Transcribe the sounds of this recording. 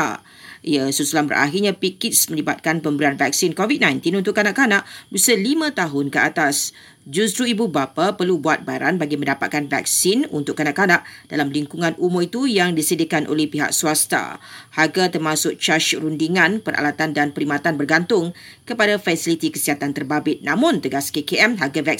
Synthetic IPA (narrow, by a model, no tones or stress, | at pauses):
a̰ | jasusulanbə̰rʔa̰ɦirɲãpikɪtsmə̃libat̪̚kanpəmbəɾianvak̚sinkovit̚nãjnt̪inunt̪ʊʔkːanaʔkanaʔbusəlimãt̪aɦʊnkəat̪as | d͡ʒust̪ɾuibubapapərlubuat̪̚baɾa̰nbaɡimə̃ndapa̰t̪̚kanva̰k̚sinṵnt̪ʊʔkːanaʔkanaʔd̥alamliŋkuŋãnʔumʊrit̪ujaŋdisədikanʔo̰lɛhpiɦa̰ʔ̚suast̪a̰haɡat̪ərmãsʊk̚t͡ʃaʃrundiŋãnpəɾʔa̰lat̪andanpəɾimãt̪anbərɡant̪ʊŋ | kəpadafasilit̪ikəsiɦat̪ant̪ərbabɪt̪̚nãmʊ̃nt̪əɡaskekeɛmɦaɡavak